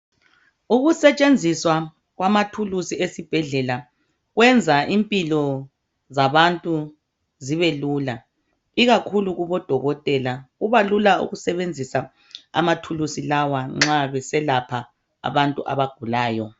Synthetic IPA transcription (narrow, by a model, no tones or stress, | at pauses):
uɣusɛt͡ʃʼend͡zʱiswa | ɣwamatʰulusiesib̥ʱɛɮɛla | ɣwɛnd͡zʱaʔimpʼilɔ | zaβantʼu | ziβelula | iɣakʰuluɣuβɔd̥ʱɔɣɔtʼɛlaɣuβalulaṵɣusɛβend͡zʱisa | a̰matʰulusilawaŋ͡ǁaβɛsɛlapʰa | a̰βantʼuʔa̰βaɡ̥ʱulaːjɔ